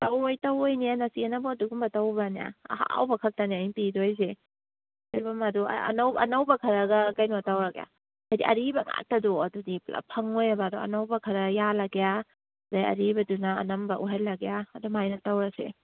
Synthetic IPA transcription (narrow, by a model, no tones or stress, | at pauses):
tawojtawojnianɐsianabɔɐduɡumbɐtawbanija̰ɐ̰ha̰wbɐkʰɐk̚taniajŋpidojs̬e | ajbɐmɐdua̰ɐ̰nawɐ̰nawbɐkʰɐɾɐɡɐkajnotawɾaɡeja̰ | ajdiʔɐ̰ɾibɐŋa̰k̚tɐdɔɐdudipla̰pʰɐŋojabaduɐ̰nawbɐkʰɐɾɐjalɐɡeja | zajɐ̰ɾibɐduna̰ːnɐmbɐʔuɦajlɐɡejaːdumajnɐtawɾɐsḛ